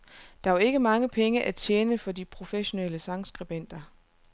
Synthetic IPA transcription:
d̥ɑ̈æɐe̝ɡ̥əmɑ̈ŋəpʰeŋəʔæt͡sʰjeːnəfɒ̽d̥ipʰʁo̝feɕo̝neləsɑ̈ŋsɡ̥ʁib̥en̰d̥ɐ

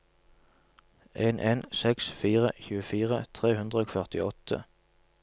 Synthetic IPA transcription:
ʔeːnʔeːnsɛksfiːʁə̰çʉːəfiːʁət̪ʰʁeːhʉnd̪ʁəoːɡfœʁt̪ɪɔt̪ʰə̰

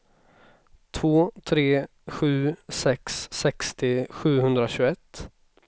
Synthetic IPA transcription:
t̪ʰvoːt̪ʰɾeː | ɧʉ̟ːsɛksːɛkst̪ɪɧʉ̟ːhɵnd̪ɾaɕɵɛt̪ː

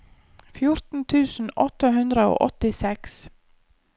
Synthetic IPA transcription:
fjʊɾt̪n̩t̪ʰʉːsn̩ɔt̪ːəɦʉnd̪ɾəo̰ːʔɔt̪ɪsɛks

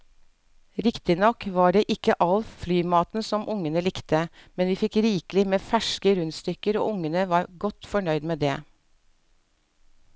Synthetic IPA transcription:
ɾɪkt̪ɪnɔkʋɑːɖeːʔɪkːəʔɑlflyːmɑːt̪n̩sɔmʔʊŋənəlɪkt̪əmɛnʋiːfɪkɾiːklɪmeːfæʂkəɾʉnst̪ʏkəɾo̰ːʔʊŋːənəʋɑːɾɡɔt̪fɔɳœʏd̪meːd̪ḛː

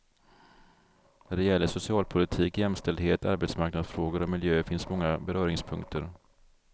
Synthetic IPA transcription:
næɖɛjɛlːəʂʊsɪɑːlpʰʊlɪt̪ʰiːkjɛmst̪ɛld̪heːt̪ʰa̰ɾbɛt̪smaɾknad̪sfɾoːɡəɾɔmɪljøːfɪnsmɔŋːabɛɾœːɾɪŋspʰɵŋk̚t̪ʰəɾ

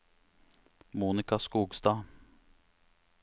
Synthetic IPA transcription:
muːnɪkɑskuːɡst̪ɑː

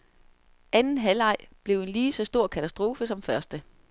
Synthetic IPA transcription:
ʔænn̩ɦælɑ̈ɪ̰b̥le̝ʊe̝nliːsɒ̽sd̥o̝ɐ̰kʰæt͡sʰæsd̥ʁo̝ːfəsɒ̽mfɶɐsd̥ə

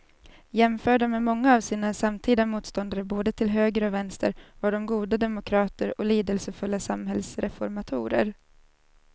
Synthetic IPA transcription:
jɛmfœːɖamemɔŋːaːvsiːnasamt̪ʰiːd̪amuːt̪st̪ɔnd̪aɾəboːd̪ət̪ʰɪlɦøːɡɾəɔvɛnst̪ə̰ɾvaɖɔmɡuːd̪ad̪ɛmʊkʰɾɑːt̪əɾɔliːd̪əlsəfɵlːasamɦɛlsɾɛfɔɾmat̪ʰṵːɾə̰ɾ

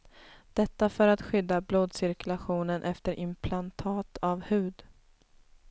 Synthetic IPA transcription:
d̪̥ɛt̪ːafœɾat̪ɧʏd̪ːabloːd̪sɪɾkɵlaɧuːnənʔɛft̪əɾʔɪmpʰlant̪ʰɑːt̪ʰavhʉ̟ːd̪

